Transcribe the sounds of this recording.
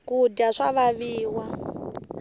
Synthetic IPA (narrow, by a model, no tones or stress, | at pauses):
kuɟaʂaβaβiːwa